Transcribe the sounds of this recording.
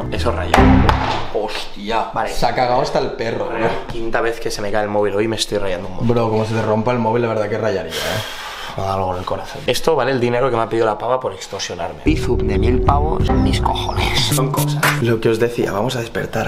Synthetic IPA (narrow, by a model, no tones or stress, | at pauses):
esora̰ʝa̰ | ost̪iabalesakaɣawast̪aelperoakint̪aβe̞θke̞se̞me̞kaelmo̞β̞ilo̞jme̞st̪ojrajand̪oumobɾokomoseðerompaelmoβilaβeɾðakerajaɾia̰e | maɣalɣonelko̞ɾaθo̞ne̞st̪o̞βaleːld̪ine̞ɾokemeapeðiolapaɣapo̞ɾe̞kst̪osjo̞naɾme̞̰iθupd̪emilpaβo̰smiskoxonḛsoŋkosaslo̞keo̞zðe̞θia̰βamo̞s̬aðe̞spe̞̰ɾt̪aɾ